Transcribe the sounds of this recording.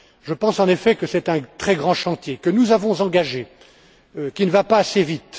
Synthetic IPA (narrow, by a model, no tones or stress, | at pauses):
ʒəpɑ̃sɑ̃nefɛkəsɛt̪ɛ̃t̪χɛɡʁɑ̃ʃɑ̃t̪jekənuzavɔ̃zɑ̃ɡaʒe | kʲinəvapaːsevit̪